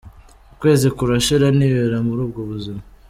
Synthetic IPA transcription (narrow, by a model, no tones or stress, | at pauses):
ukwe̞ːzikuɾaʃiɾaniβeɾamuɾuːb̚ɡoβuzima